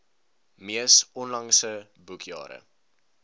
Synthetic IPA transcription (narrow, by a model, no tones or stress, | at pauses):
miəsɔnlɐŋsə | bukʰjɑ̰ːɾə̰